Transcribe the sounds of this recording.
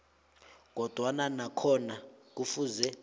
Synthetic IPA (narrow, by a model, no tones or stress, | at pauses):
k̬ʼɔd̥ʱwananakʰɔnak̬ufuzɛ